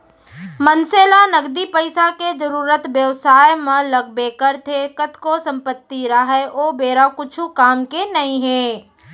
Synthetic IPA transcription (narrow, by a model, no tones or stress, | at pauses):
mənseːlanəɡd̪ipəɪsaked͡ʒəɾuːɾət̪ʋjəʋsaːjmɐ̃ləɡ̚bekəɾt̪ʰekət̪kosə̃mpət̪ːiɾəɦɛʔoːbeːɾakʊt͡ʃʰukaːmkenɐɦĩɦɛ̃ː